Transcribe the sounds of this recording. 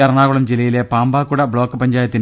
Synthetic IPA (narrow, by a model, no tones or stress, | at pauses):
ɐrɐɳaːɣuɭɐmd͡ʑilɐjile̞paːmbaːkːuɽɐbɭo̞ːkːɨpɐɲd͡ʑaːjɐt̪ːin